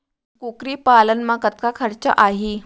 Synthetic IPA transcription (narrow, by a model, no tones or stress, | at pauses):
kukɾiːpalənmakət̪kakʰəɾt͡ɕa̰ʔaɦi